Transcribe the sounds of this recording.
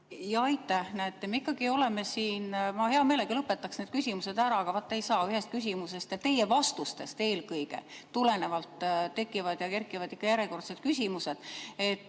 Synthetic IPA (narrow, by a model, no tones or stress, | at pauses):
jɑɑjt̪ːˑæhnæet̪ːemeikˑːɑɡio̞le̞me̞siːnmɑhe̞ɑme̞ːleɡ̥ɑlɤpːˑe̞t̪ːˑɑksne̞ːd̪̥̚kysʲimuse̞d̪æɾɑɑɡ̥ɑvɑt̪ˑːe̞jsɑːyɦe̞st̪̚kys̬ʲimuse̞st̪jɑt̪e̞jevɑst̪ust̪e̞st̪e̞ːlkɤjɡ̥e̞̰t̪ːule̞ne̞vɑlt̪t̪ːe̞kːˑivɑd̪̥jɑke̞rkːˑivɑd̪ikˑːɑjæɾeko̞rt̪se̞d̥̪̚kysʲimuse̞d̪̥e̞t̪ˑː